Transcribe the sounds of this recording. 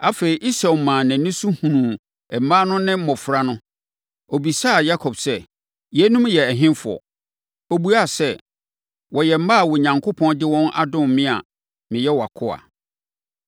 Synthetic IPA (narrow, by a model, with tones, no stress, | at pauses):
a˦fe˨i˨ʔi˦sa˨mã˨næ̃˨nɪ̃˦su˦hũ˨nũ˨ | ɛ˨m̩˨mãː˦nʊ̃˦nɪ̃˦mɔ̃˨fɾa˦nʊ̃˦ | ɔ˨bi˨sa˦˨ja˦kʰɔ˨bsɛ˦˨ | jɛ˨˦nũ˦mjɛ˨ɛ˨ɦɪ̃˦nfʊ˨ɔ̰˨ | o˨bu˦a˦˨sɛ˦ | wɔ˨jɛ˨m̩˦maː˦˨wɔ˨ɲã˨ŋkʰʊ˦pʰɔ̃˦ndɪ˦wɔ̃˦nʔa̰˦dʊ̃˦˨mɪ̃˦a̰˨ | mɪ̃˨jɛ˦wɔ˨a˨kʰʊ˦a̰˨